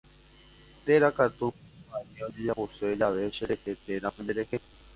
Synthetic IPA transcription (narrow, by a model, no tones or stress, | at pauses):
t̪eɾakat̪ũaniod͡ʒed͡ʒaʔoseed͡ʒaʋeʃeɾehet̪eɾãmẽnd̪eɾexe